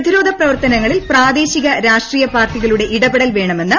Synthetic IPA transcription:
d̪iɾo̞ːd̪ʱɐprɐʋɐrt̪ɐnɐŋːɐɭilpraːd̪e̞ːɕiɣɐɾaːʂʈriːjɐpaːrʈiɣɐɭuɽe̞ʔiɽɐbeɽɐlʋe̞ːɳɐme̞nːɨ

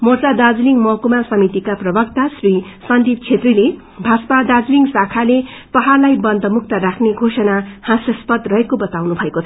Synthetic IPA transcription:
mort͡sad̪ad͡zliŋmʌkumasʌmit̪ikaprʌbʌk̚t̪asrisʌnd̪ʱip̚t͡sʰet̪rile | bʱaspad̪ad͡zliŋsakʰalepʌɦarlajbʌnd̪ʱʌmuk̚ʰt̪ʌɾakʰneɡʱosʌnahãsjʌspʌd̪rʌɦekobʌt̪awnubʱʌekot͡sʰ

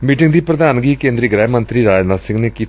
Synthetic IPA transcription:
miːʈɪ̃ŋɡd̪iːpɾəd̪aːnɡiːkẽːnd̪ɾiːɡɾɛːmənt̪ɾiːɾaːd͡ʒnaːsɪ̃ŋɡneːkiː

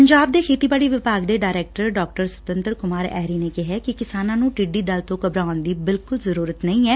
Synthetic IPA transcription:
pəɲd͡ʒaːb̚d̪eːkʰeːt̪iːbaːɽiːʋɪpaːɡd̪eːɖaːɾɛːk̚ʈəɾɖɔːk̚ʈəɾsət̪ənt̪əɾkʊmaːɾɛ̰ːɾiːneːkɪɦɛːkɪkɪsaːnãːnũːʈiɖiːd̪əlt̪õːkəbɾaːʊnd̪iːbɪlkʊlzəɾuːɾət̪nəĩːɛː

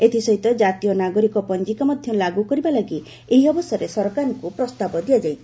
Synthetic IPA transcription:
et̪ʰisɔɦit̪ɔd͡ʒat̪ijɔnaɡɔɾikɔpɔnd͡ʒikamad̪ʱjɔlaɡukɔɾibalaɡi | eɦiɔbɔsɔɾesɔɾɔkaɾɔŋkupɾɔst̪abɔd̪iad͡ʒaj̪ʰ

